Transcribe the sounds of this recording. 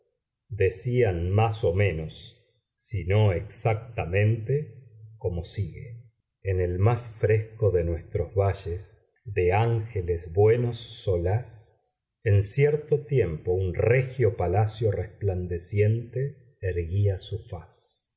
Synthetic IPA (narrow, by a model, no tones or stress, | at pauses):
d̪esianmaso̞mẽ̞nosː | ino̞eksak̚t̪amẽ̞nt̪eko̞mo̞siɣḛː | nelmasfɾesko̞ðe̞nwe̞st̪ɾozβaʒes | ðeaŋxelezβwenosːolas | ensjeɾt̪ot̪je̞mpo̞unrexjo̞palasjo̞respland̪esje̞nt̪eː | ɾɣiasufas